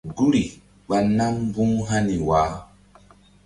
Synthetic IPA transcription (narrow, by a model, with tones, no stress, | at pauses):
ɡu˦ɾi˨ | ɓa˨nːa˦mbũ˦ŋɦa˦ni˨waː˨˦